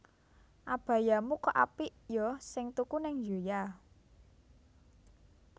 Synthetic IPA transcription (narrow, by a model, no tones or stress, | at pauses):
ʔab̥ä̤jamukɔʔapiʔjɔsɪŋt̪ukunɪŋjoja